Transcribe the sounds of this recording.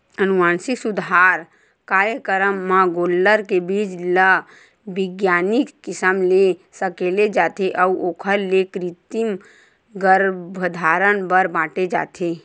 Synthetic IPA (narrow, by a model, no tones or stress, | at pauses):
ənuʋaːnsiksʊd̪ɦaːɾ | kaːɾjəkəɾəmːãɡoːlːəɾkebiːd͡ʒlə | bɪɡjaːnikkɪsəmlesəkeːled͡ʒaːt̪ʰeʔəuʔoːkʰəlːekɾit̪im | ɡəɾbʱəd̪ʱaːɾənbəɾbãːʈed͡ʒa̰ːt̪ʰe